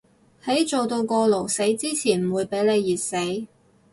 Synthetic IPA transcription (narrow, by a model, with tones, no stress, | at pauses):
hɐ˨˥jt͡so˨wt̪o˧wkɔː˧lo˨˩wse˨˥jt͡siː˥t͡sʰiː˨˩nm̩˨˩wuː˨˧jpe˨˥jle˨˧jːiː˨˩t̚se˨˥j